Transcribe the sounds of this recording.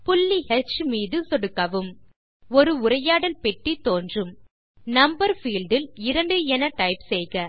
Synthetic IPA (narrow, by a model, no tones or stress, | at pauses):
pʊlːihɛt͡ʃːmiːðɯsɔɽɯkːɐʋɯm | ɔɾɯʊɾɐjaːɽɐlpɛʈːit̪ːoːndrɯm | nɐmbɐɾfiːlɖɪlɪɾɐɳɖɯɛnɐʈɐɪpsɛjɣɐ